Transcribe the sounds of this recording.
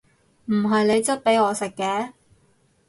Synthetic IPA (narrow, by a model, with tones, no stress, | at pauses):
m̩˨˩ɦɐ˨jne˨˧jt͡sɐ˥t̚pe˨˥jɔː˨˧sɪ˨kːɛː˨˥